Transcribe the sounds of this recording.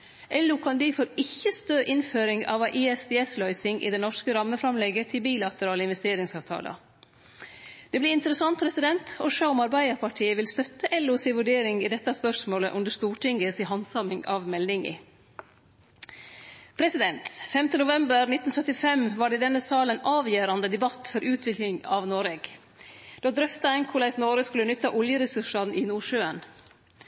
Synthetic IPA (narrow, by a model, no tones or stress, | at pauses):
ʔɛlʊkʰɑnd̪iːfoːɾɪçːəst̪oːʔɪnføːɾɪŋɑ̰ʋɑʔiɛsd̪ɛɛslœʏsɪŋʔɪ̰ːd̪ɛnɔʂkəɾɑmːəfɾɑmlɛɡət̪ʰɪlbiːlɑt̪əɾɑːləɪnʋɛst̪eːɾɪŋsɑːʋt̪ʰɑ̰ːlɑ̰ | d̪̥ɛːblɪɪnt̪əɾəsɑnt̪̚pʰɾɛsɪd̪ɛnt̪ɔʂɑʊmɑɾbæɪəɾpʰɑʈʰiːəʋɪlst̪œt̪ːəʔɛlːʊsɪʋʉɖeːɾɪŋiːd̪ɛt̪ːɑspœʂmoːlə̰ʔʉnd̪əst̪uːʈɪŋɡəsiɦɑnsɑmɪŋɑ̰ʋmɛlnɪŋḭ | pʰɾɛsɪd̪ɛnt̪fɛmt̪ənʊʋɛmbəɾnɪt̪ːn̩sœt̪ːɪfɛmʋɑːɖɛːd̪ɛnːəsɑːlənɑːʋjøːɾɑnd̪əd̪ɛbɑt̪ːfɔɾʔʉːt̪ʰʋɪklɪŋɑʋnoːɾeːɡ | d̪̥ɑːd̪ɾœft̪ɑɛŋkʰʊlæɪsnoːɾəskʉlənʏt̪ːɑʔʊljəɾɛsʉʂɑnɪnuːʂøːən